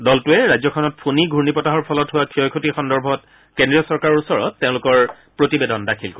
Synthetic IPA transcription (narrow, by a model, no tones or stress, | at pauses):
dɔltʊɛɹajzɔkʰɔnɔt̚pʰuniɡʱuɹnipɔtaɦɔɹpʰɔlɔtɦʊwakʰiɔjkʰutixɔndɔɹbʱɔt̚ | kendɹiɔsɔɹkaɹɔɹusɔɹɔ̰tːeʊ̃lʊkɔɹ | pɹotibedɔndakʰilko